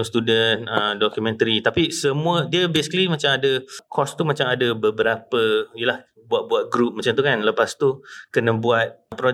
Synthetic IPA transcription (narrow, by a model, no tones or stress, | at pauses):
st̪udənəmdɔkjumɛ̃nt̪əɾit̪apisəmũədiəbesi̥kəlimat͡ʃamadəkʰɔst̪umat͡ʃamadəbəbəɾapəjelah | buat̪̚buat̪̚ɡɾup̚mat͡ʃamt̪̬ukanləpast̪ukənəbuat̪̚pɾɔ